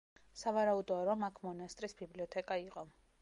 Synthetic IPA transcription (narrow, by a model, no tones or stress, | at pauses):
savaɾaud̪ɔaɾɔmakʰmɔnast̪ʼɾisbibliɔt̪ʰɛkʼaiqʼɔ